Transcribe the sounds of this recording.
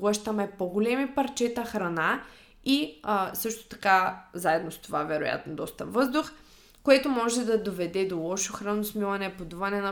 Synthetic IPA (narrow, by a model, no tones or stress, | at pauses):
lˠəʃt̪ɐmɛpoɡolɛmipɐɾt͡ʃɛt̪ɐxɾɐna | isɤʃt̪o̥t̪ɐ̥kazaɛd̪nost̪ovavɛɾo̰ja̰t̪nod̪ɔst̪ɐvɤzd̪ʊx | koɛt̪omɔʒɛd̪ɐd̪ovɛd̪ɛd̪olˠɔʃoxɾanosmilˠɐnɛpod̪uvɐnɛnɐ